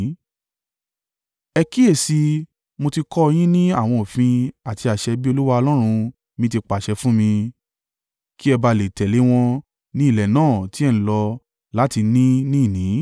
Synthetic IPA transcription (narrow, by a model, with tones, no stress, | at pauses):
ɛ˧ki˦e˦˨si˧ | mo˧ti˧kɔ˦˧j̃ĩ˦nĩ˦a˦˨w̃ɔ̃˧o˨fĩ˧a˨ti˧a˨ʃɛ˧bi˦o˧lu˦wa˧ɔ˧lɔ˦ɾ̃ũ˧ | mĩ˧ti˧k͡pa˨ʃɛ˧fũ˦mĩ˧ | ki˦ɛ˧ba˧le˨tɛ˨le˨˦w̃ɔ̃˧ | nĩ˦i˦˨lɛ˨nãː˦˨ti˨˦ɛ˦˨n̩ĩ˨lɔ˧ | la˨˦ti˧nĩ˦nĩ˦˨nĩ˨˦